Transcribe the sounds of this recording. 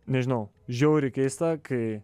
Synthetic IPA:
nʲɛʒʲɪnɐʊ | ʒʲɛʊɾʲɪkʲɛɪst̪ɐkʰɐɪ

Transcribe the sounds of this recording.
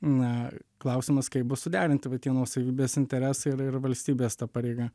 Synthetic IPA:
nɐklˠɐʊsʲɪmɐskɐɪp̚bʊssʊd̪ʲæːɾʲɪnʲt̪ʲɪʋɐt̪ʲiɛnoːsɐʋʲiːbʲeːsɪnʲt̪ʲɛɾʲæːsɐɪɪɾɪrʋɐlʲsʲt̪ʲiːbʲeːst̪ɑpɑːɾʲɛɪɡɐ

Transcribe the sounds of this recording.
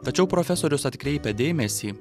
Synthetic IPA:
t̪ɐt͡ʃʲɛʊpɾɔfʲɛsoːɾʲʊsɐt̪ʲkɾʲɛɪpʲɛd̪ʲeːmʲɛsʲiː

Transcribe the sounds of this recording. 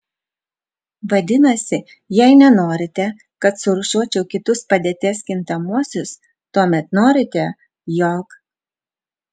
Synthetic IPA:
ʋɐd̪ʲɪnɐsʲɪ | jɛɪnʲɛnoːɾʲɪt̪ʲɛ | kɐt̪sʊɾʊʃuɔt͡ʃʲɛʊkʲɪt̪ʊspɐd̪ʲeːt̪ʲeːskʲɪnt̪ɐmuɔsʲʊs | t̪uɔmʲɛt̪noːɾʲɪt̪ʲɛ | joːk

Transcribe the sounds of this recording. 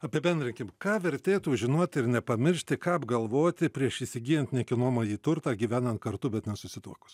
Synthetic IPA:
ɐpʲiɛbʲɛnd̪ɾʲɪŋʲkʲɪmkɑːʋʲɛɾʲt̪ʲeːt̪uːʒʲɪnoɔt̪ʲɪɾnʲɛpɐmʲɪɾʲʃʲt̪ʲɪkɑːpɡɐlˠʋoːt̪ʲɪpʲɾʲiɛʃiːsʲɪɡʲiːjɛnt̪ʲnʲɛkʲɪnoːmɐːjiːt̪ʊrt̪ɑːɡʲiːʋʲæːnɐnt̪̚kɐɾt̪ubʲɛt̪nʲɛsʊsʲɪt̪uːɔkʊ̥s

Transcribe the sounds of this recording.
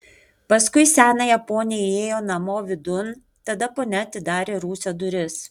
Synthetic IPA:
pɐskʊɪsʲæːnɐjɛpoːnʲɪjeːjoːnɐmoːʋʲɪd̪ʊn | t̪ɐd̪ɐpoːnʲɛɐt̪ʲɪd̪ɑːɾʲeːɾuːsʲod̪ʊɾʲɪs

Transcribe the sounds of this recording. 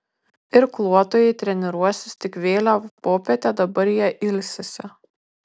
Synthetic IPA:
ɪɾklˠuɔt̪oːjɛɪt̪ʲɾʲɛnʲɛɾuɔsʲɪst̪ʲɪkʋʲeːlʲoːpoːpʲɛt̪ʲæd̪ɐbɐɾjiɛʔɪlʲsʲɛsʲɛ

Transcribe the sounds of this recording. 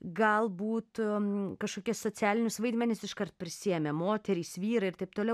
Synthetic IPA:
ɡɐlˠbuːt̪kɐʃkoːkʲissoːt͡s̪ʲæːlʲɪnʲʊsʋɐɪd̪ʲmʲɛnʲɪsɪʃkɐrt̪̚pʲɾʲɪsʲiɛmʲɛmoːt̪ʲɛɾʲiːsʋʲiːɾɐɪrt̪ɐɪp̚t̪oːlʲɛʊ

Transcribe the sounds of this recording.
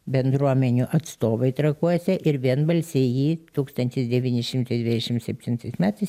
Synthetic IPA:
bʲɛnd̪ɾuɔmʲɛnʲuʔɐt̪st̪oːʋɐɪt̪ɾɐkuɔsʲɛʔɪɾʋʲiɛnbɐlʲsʲɛjiːt̪uːkst̪ɐnʲt̪ʲɪsd̪ʲɛʋʲiːnʲɪʃʲɪmt̪ɐɪd̪ʋʲɪd̪ʲɛʃʲɪmsʲɛpʲt̪ʲɪnt̪ɐɪsmʲæːt̪ɐɪs

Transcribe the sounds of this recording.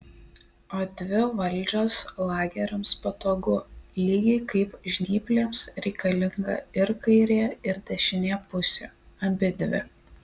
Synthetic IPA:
oːd̪ʲʋʲɪʋɐlʲˑd͡ʒʲoːslˠɑːɡʲɛɾʲɪmspɐt̪oːɡʊlʲiːɡʲɛɪkɐɪpʒʲnʲiːpʲlʲeːmsɾʲɛɪkɐlʲɪŋɡɐ̰ɪɾkɐɪɾʲeːɪɾd̪ʲɛʃʲɪnʲeːpʊsʲḛːɐmʲbʲɪd̪ʲʋʲɪ̰

